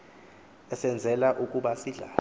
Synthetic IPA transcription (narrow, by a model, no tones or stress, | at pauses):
ɛsɛnd͡zʱɛlaʔukʼuɓasiɮaː